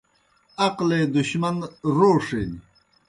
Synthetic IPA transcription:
ɐqleːd̪uɕmɐnɾoːʂeːni

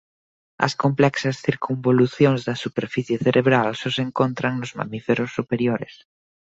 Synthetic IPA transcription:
ɐ̰skomplɛksɐsθiɾkumboluθjoŋzðɐsupeɾfiθjeθeɾʔeβ̞ɾalsoseŋkont̪ɾaŋnozma̰mifeɾosːupeɾjoɾes

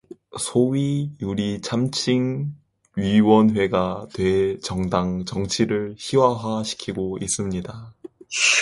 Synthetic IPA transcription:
sʰoɥijuɾit͡ɕʰamt͡ɕʰiŋ | ɥiwʌnɸwe̞ɡatwe̞t͡ɕʌŋdaŋt͡ɕʌŋt͡ɕʰiɾɯɭçiwaɦaɕʰi̥kʰiɡois͈ɯmɲida

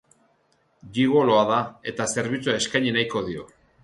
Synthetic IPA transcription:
ʎiɣo̞lo̞aðae̞t̪ase̞ɾβit͡suae̞skajɲenajko̞ðio̞

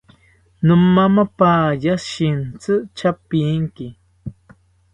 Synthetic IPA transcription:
nɨmːamapaːjaʃint͡sɨt͡ʃapiŋki

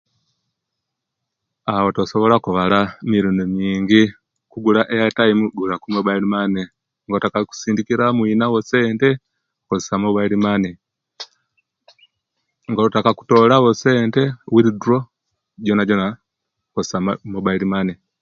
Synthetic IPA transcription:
awo̞tosoβolakuβalamiɾuːndumiːŋɟi | kuɡulaʔejatajimuɡulakumoβailimane | ŋɡoutakaku̥siːndikiɾamwiːnawose̞ːnte̞ | kossamoβailimane | ŋɡolutakaku̥to̞ːlaɣose̞ːnte̞wiɾiduɾo̞ | ɟonaɟona | kosamoβailimane

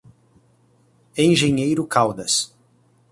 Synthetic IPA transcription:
ẽj̃ʒẽɲejɾʊkawd̪ɐs

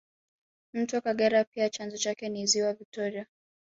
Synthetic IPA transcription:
m̩twɔkaɠɛɾapiat͡ʃanzɔt͡ʃakɛniziwavik̚tɔɾia

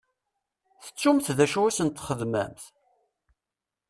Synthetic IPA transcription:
θə̥t͡sːumθðæʃuwæsənt̪χəðmæ̰mθ

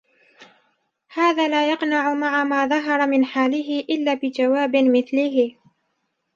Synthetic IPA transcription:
haːðaːlaːjɑqnaʕʊmaʕamaːðɑɦɑɾˤɑmɪnħaːlɪɦɪʔɪlːaːbɪd͡ʒawaːbɪmɪθlɪɦɪ

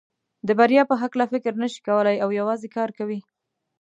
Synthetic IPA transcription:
d̪əbaɾjɑpəɦaklafɪkɾnəʃi̥kawəlajawjawɑzekɑɾkawi

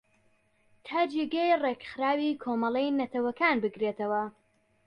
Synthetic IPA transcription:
t̪ʰaːd͡ʒeɡejrekxɨɾaːwiːkʰomɐlˠejnɐt̪ʰɐwɐkaːnbɨɡɾet̪ɐwɐ

